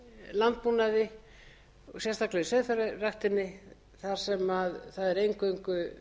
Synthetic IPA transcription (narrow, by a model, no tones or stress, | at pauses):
lant̪̚punaðɪ | ɔsjɛst̪aklɛɪsœðθœɾaraxt̪ɪnːɪ | θaɾ̥sɛmaðθaðɛɾejŋkœŋkʏ